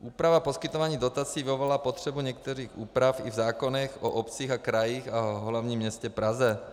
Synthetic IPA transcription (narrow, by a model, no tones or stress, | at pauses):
ʔuːpɾavaposkit̪ovaːɲiːd̪ot̪at͡siːviovolaːpot̪r̝̥ɛbuɲɛk̚t̪ɛɾiːxuːpɾafivzaːkonɛxoʔɔpt͡siːɣakɾajiːxaɦlavɲiːmɲɛscɛpɾazɛ